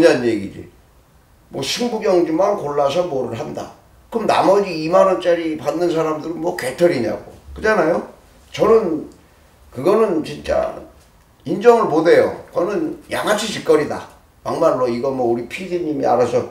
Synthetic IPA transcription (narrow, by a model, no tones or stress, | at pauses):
ɯɲanjeɡid͡ʑḭ | mwʌɕʰuŋɡuɡjʌŋd͡ʑimankoɭːasʰʌmoɾɯɭɦanda̰ | kɯmna̰mʌd͡ʑiːmanʌnt͡ɕ͈aɾipanːɯns̬ʰaɾamdɯɾɯnmwʌke̞tʰʌɾiɲa̰ɡo̰kɯd͡ʑanajo | t͡ɕʌnɯn | kɯɡʌnɯnt͡ɕint͡ɕ͈a̰ | ind͡ʑʌŋɯɭmode̞jo̰kʌnɯnjaŋɦat͡ɕʰit͡ɕʰik͈ʌɾida̰ | paŋmaɭːoiɡʌmwʌuɾipʰid͡ʑiɲimia̰ɾasʰʌ